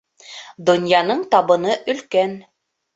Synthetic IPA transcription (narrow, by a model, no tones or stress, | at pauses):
d̪ŏnjɑnɤɴt̪ɑβɤ̆nɤʔɵ̆lkæn